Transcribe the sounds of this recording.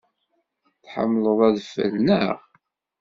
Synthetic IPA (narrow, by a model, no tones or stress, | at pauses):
θħə̰mːləðˤæðfə̰lnəʁ